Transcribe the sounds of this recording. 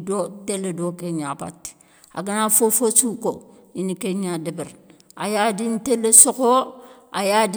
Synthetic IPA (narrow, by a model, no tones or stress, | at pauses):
doteledokeɲaba̰tːi̥ | a̰ɡanafofosuːko | inikeɲadibɛɾ | ajadintelːesokoajad